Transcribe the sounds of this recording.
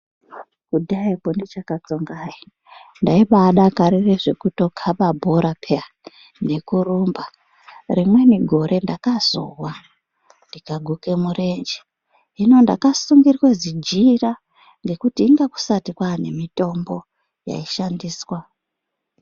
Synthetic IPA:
kudaipondit͡ʃakat͡soŋɡaji | ndaiɓaɗakaɾireʐe̞kuto̞kʰaɓabʱoɾapʰea | ne̞kuruːmba | rimwe̞niɡʱo̞ɾʔe̞ndakaz̥o̰wa | ndikaɡʱuke̞mure̞nd͡ʒi̥ | ɦino̞nda̰kasuŋɡirwezid͡ʒira | ŋɡe̞kutiːŋɡaku̥satikwane̞mitʼo̞mbo̞ | ja̰iʃandiːswa

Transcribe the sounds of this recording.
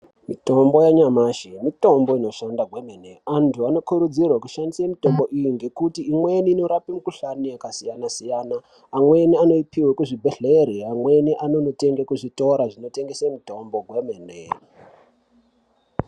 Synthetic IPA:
mito̞mbo̞jaɲamaʃemito̞mbo̞ino̞ʃandaɡwemeneantʰuano̞kuɾud͡zirwaku̥ʃandisamito̞mbo̞ʔijiŋɡe̞kutiːmweniːno̞ɾapimukuɬaniakasijanasijaːnaː | mwe̞niano̞ipiwekuʐibʱeɮe̞ɾeamwe̞niʔano̞note̞ŋɡekuʐito̞ɾaʐino̞te̞ŋɡesemito̞mbo̞ɡwemeːnḛ

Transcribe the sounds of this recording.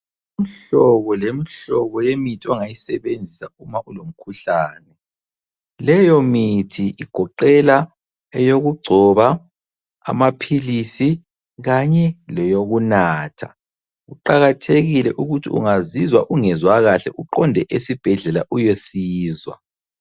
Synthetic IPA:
im̩ɬɔβɔlemiɬɔβɔjemitʼɔŋajisɛβend͡zʱisaumaʔulom̩kʰuɬaːnɛ | lɛjɔmitʰiʔiɡ̥ʱɔǃɛla | ɛjoɣuɡ͡ǀʱɔβa̰ː | mapʰilisi | ɣaɲɛlɛjoɣunaːtʰa | ɣuǃaɣatʰeɣilɛʔuɣutʰḭṵŋazizwaʔuŋɛzwaɣaɬɛ̰ʔuǃɔndʱɛʔesib̥ʱɛɮɛlaʔujesiːzwa̰

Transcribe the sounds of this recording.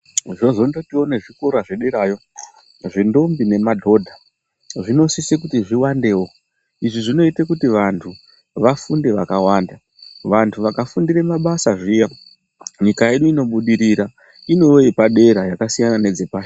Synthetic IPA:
ʐo̞ʐo̞ndo̞tio̞ne̞ʐiko̞ɾaʐeɗeɾaːjo̞ | ʐindo̞mbine̞madʱo̞dʱa | ʐino̞sisekutiʐiwande̞ːwo | iʐiʐino̞itekutiʋantʰu | ʋafunde̞ʋakawaːnda | ʋantʰuʋakafundiɾemaɓasaʐija | ɲikajeɗuino̞ɓuɗiɾiɾa | ino̞epaɗe̞ɾajakasijanane̞d͡ze̞paːʃ

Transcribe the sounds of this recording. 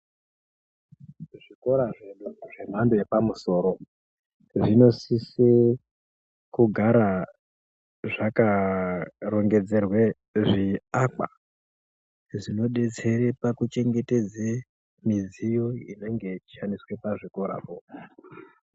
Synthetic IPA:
ʐiko̞ɾaʐeɗuʐe̞m̤andojepamuso̞ɾo̞ | ʐino̞sise | kuɡʱaɾa | ʐaka | ro̞ŋɡe̞d͡zerwe | ʐiaka̰ | ʐino̞ɗe̞t͡se̞ɾepakut͡ʃe̞ŋɡe̞te̞d͡ze | mizijo̞ine̞ŋɡe̞t͡ʃi̥ʃaniswe̞paʐiko̞ɾa̰po

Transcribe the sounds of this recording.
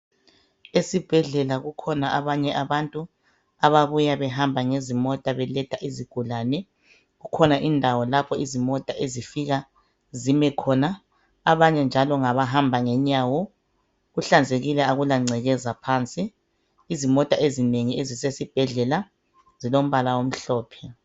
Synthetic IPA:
esib̥ʱɛɮɛlaɣukʰɔnaʔaβaɲɛʔaβantʼu | aβaβujaβɛɦambʱaŋezimɔtʼaβɛlɛtʰaʔiziɡ̥ʱulanɛ | ɣukʰɔnaʔindʱawɔlapʰɔizimɔtʼaʔezifiɣa | zimɛkʰɔnaː | βaɲɛnd͡ʒʱalɔŋaβaɦambʱaŋɛɲawɔ | ɣuɬand͡zʱeɣilɛaɣulaŋ͡ǀʱɛɣɛzapʰaːnt͡sʼiː | zimɔtʼaezineŋiezisesib̥ʱɛɮɛla | zilom̩βalawom̩ɬɔːpʰɛ

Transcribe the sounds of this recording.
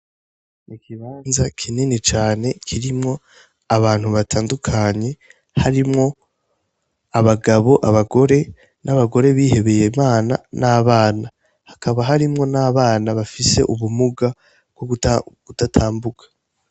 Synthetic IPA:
ikiβaːnzakʰininit͡ʃaːne̞kʰiɾimŋo̞ | aβaːn̥huβatʰaːndukʰaɲe̞ | haɾimŋo̞ | aβaɡaβo̞ʔaβaɡo̞ɾe̞ | naβaɡo̞ɾe̞βiːhe̞βe̞je̞maːna̰naːβaːna | hakaβaɦaɾimŋo̞naːβaːnaβafise̞̰ʔuβumuɡa | ɡ̥oɡ̥utatʰaːmbukḁ

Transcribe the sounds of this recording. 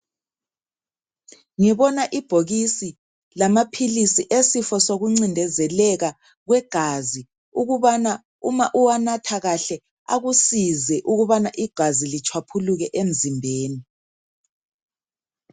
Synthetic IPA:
ŋiβɔnaʔib̥ʱoɣisi | lamapʰilisiʔesifɔsoɣuŋ͡ǀindʱɛzɛlɛɣa | ɣwɛɡ̥ʱazi | uɣuβana | umaʔuwanatʰaɣaɬɛ | a̰ɣusizɛʔuɣuβanaʔiɡ̥ʱazilit͡ʃʰwapʰuluɣɛʔem̩zʱimbʱeːni

